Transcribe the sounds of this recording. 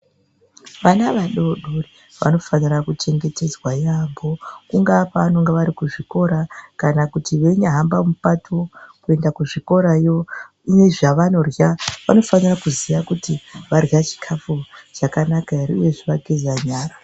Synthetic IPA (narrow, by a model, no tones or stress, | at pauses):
ʋanaʋaɗoɗuri | ʋa̰no̞fanirakut͡ʃe̞ŋɡe̞te̞d͡zwajambo̞kuŋɡapano̞ŋɡeʋaɾikuʐiko̞ɾakanakutiʋe̞ɲaɦambamupatʰokue̞ndakuʐiko̞ɾajo | ine̞ʐaʋano̞rjaʋano̞fanirakuzijakutiʋarɣat͡ʃi̥kʰafut͡ʃakanakaiɾḭjeʐiʋaɡʱezaɲaːra